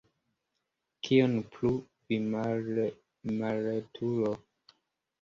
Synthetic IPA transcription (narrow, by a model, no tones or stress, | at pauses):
kʰionplu | vi | maletʰulo